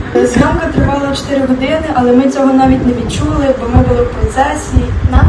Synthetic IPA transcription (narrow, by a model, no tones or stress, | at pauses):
zɦɑmkɐt̪ɾɪʋɑlˠɐt͡ʃɔ̥t̪ɪɾɪɦɔd̪ɪnɪʔɐlˠɛmɪt͡sʲɔɦɔnɑʋʲitʲnɛʋʲid̪̚t͡ʃulˠɪbɔmɪbʊlˠɪwpɾɔt̪sɛsʲijinɑ